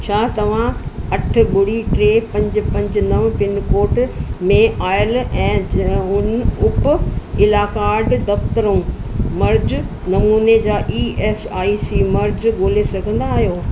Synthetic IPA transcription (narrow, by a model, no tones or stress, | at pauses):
t͡ɕʰaːt̪ɐʋ̤ãɐʈ̆ʰɓʊɽ̤iʈɾeːpɐ̃ɲd͡ʑʊ̆pɐ̃ɲd͡ʑnɐʋpɪnkoːʈmẽaːɪəlɛ̃ːʊnʊpʊɪlaːkaːɖd̪ɐft̪əɾõː | mɐɾd͡ʑ | nɐmuːned͡ʑaːʔiːeːsaːisiːmɐɾd͡ʑɡoːlesɐɡʱə̃nd̪aːɦijoː